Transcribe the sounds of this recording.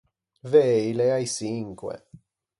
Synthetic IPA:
vejleajsiŋkwḛ

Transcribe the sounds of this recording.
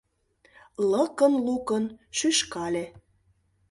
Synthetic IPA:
ləkənlukənʃyʃkɑle

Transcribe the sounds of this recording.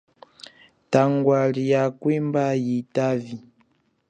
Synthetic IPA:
taŋɡwaɾijakwembajitavi

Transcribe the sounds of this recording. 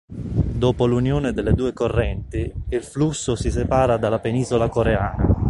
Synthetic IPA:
d̪oːpolunjoːnɪd̪elːed̪uːekorːɛnt̪iilflusːʊsis̬epaːɾad̪alːapeniːzolakoɾeaːna

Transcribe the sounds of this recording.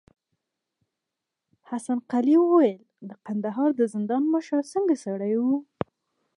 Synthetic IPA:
hasanqaliwəwajəl | d̪əqand̪aɦɑɾd̪əzɪnd̪ɑnməʃəɾsəŋɡasaɽajwu

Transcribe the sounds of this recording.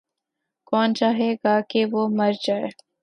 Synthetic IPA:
kɔːnt͡ʃaːɦeːɡaːkeʋoːmɐɾd͡ʒaːe

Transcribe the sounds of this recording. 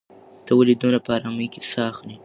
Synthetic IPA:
t̪awalid̪onapəɑɾɑməjkesɑxni

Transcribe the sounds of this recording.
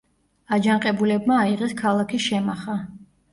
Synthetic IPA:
ad͡ʒaŋqʼɛbulɛbmaːiʁɛskʰalˠakʰiʃɛmaχa

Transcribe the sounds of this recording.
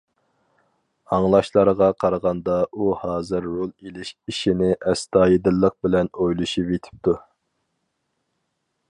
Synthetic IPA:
ɑŋlˠɑʃlˠɑɾʁɑqʰɑɾʁɑnd̪ɑuhɑːzɨɾːolˠelɪʃiʃinɪʔɛst̪ɑːjid̪ɪlˠːəq̚bɪlɛnojlˠuʃipet̪ʰɪ̥p̚t̪ʰu

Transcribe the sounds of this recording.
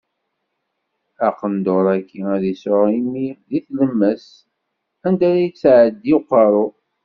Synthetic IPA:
æqənd̪oɾˤækːiæðisʊɾimiðiθləmːəs | ænd̪æɾæjət͡sːʕəd̪ːiqːɑɾˤʊ

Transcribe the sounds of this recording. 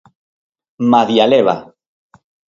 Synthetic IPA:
maðjaleβa̰

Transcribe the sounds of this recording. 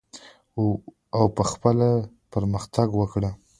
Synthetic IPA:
awpəxpəla | pəɾməxt̪aɡwəkɽə

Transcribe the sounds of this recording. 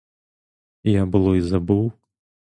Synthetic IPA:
ijabɨlˠɔizabɨw

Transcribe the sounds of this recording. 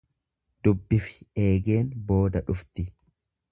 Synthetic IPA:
d̪̥ʊbːɪfɪ̥e̞ːɡe̞ːnbo̞ːd̪ɐᶑʊft̪ɪ

